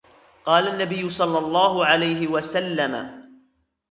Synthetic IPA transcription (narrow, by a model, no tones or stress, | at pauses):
qɑːlanːabɪjːʊsˤɑlːɑlˤːɑːɦʊʕalajɦɪwasalːama̰